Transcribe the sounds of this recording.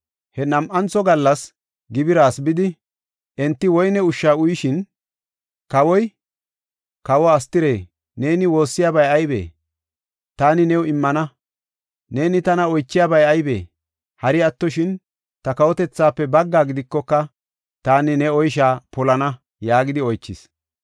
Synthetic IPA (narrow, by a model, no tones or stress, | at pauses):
hɛnɐmʔɐnt͡sɔɡɐlːɐs | ɡɪbɪɾaːsbɪd̪ɪ | ʔɛnt̪ːɪwɔjnɛʊʃːaːʊjɪʃɪn | kɐwɔj | kɐwɔɐst̪ɪɾe̞̰ː | ne̞ːnɪwo̞ːsːɪjaːbɐjɐjbḛː | t̪aːnɪnɛwɪmːɐnɐ | ne̞ːnɪt̪ɐnɐɔjt͡ʃːɪjaːbɐjɐjbḛː | hɐɾɪɐt̪ːɔʃɪn | t̪ɐkɐwɔt̪ɛt͡sːaːpːɛbɐɡːaːɡɪd̪ɪkːɔkːɐ | t̪aːnɪnɛɔjʃ̬aːpɔlɐnɐ | jaːɡɪd̪ɪɔjt͡ʃːɪs